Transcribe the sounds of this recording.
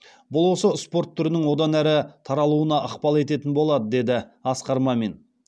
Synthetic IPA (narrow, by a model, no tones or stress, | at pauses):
bʊlˠwo̞səspo̞ɾt̪ʰːʏɾɪnɪŋwo̞d̪ɑnæɾɪt̪ʰɑɾɑlˠuənɑʔəqpɑlˠe̞t̪e̞t̪ɪnbo̞lˠɑd̪əd̪e̞d̪ɪɑsqɑɾmɑme̞n